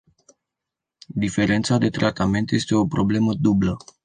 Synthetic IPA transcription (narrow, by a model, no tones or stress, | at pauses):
d̪ife̞ɾe̞nt̪sad̪e̞t̪ɾʔat̪ame̞nt̪je̞st̪e̞o̞pɾo̞ble̞məd̪ublə